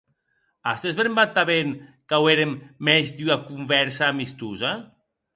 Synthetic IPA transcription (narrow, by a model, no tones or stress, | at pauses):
ast̪ezβeɾmbat̪ːaβenkaweɾemːezd̪yakuɱvɛɾsaːmist̪uza